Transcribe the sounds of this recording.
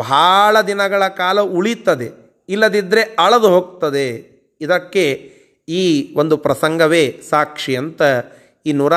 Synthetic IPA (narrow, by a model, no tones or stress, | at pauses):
bʱaːɭɐd̪inɐɡɐɭɐkaːlɐuɭit̪ːɐd̪e̞ | ilːɐd̪id̪ɾe̞ɐɭɐd̪uɦoːɡ̚t̪ɐd̪e | id̪ɐkːe̞ | iːʋo̞nd̪upɾɐsɐŋɡɐʋe̞ːsaːkʂiɐnt̪ɐ | iːnuːɾa